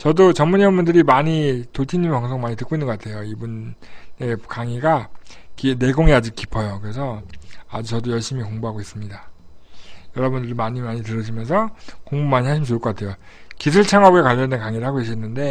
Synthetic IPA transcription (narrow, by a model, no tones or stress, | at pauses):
t͡ɕʌdot͡ɕʌŋmuɲeʌnmbundɯɾimaɲitoɭtʰiɲimipaŋsʰoŋmaɲitɯk͈oinːɯŋɡʌk͈atʰe̞joibune̞kaŋiɡakine̞ɡoŋiad͡ʑik̚k͈ipʰʌjokɯɾe̞sʰʌa̰d͡ʑut͡ɕʌdojʌɭɕ͈imikoŋbuɦaɡois͈ɯmɲida | jʌɾʌbundɯɭdomaɲimaɲitɯɾɯɕʰimjʌnsʰʌkoŋbumaɲihaɕʰimit͡ɕoɭk͈ʰʌkatʰe̞jo | kis̬ʰɯɭt͡ɕʰaŋʌbekwaʎːʌnenkaŋiɾɯɭhaɡois̬ʰenːɯnde̞